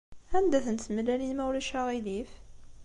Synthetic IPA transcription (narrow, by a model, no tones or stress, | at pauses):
ænd̪æθənt̪məlːælimæwlæʃæʁilif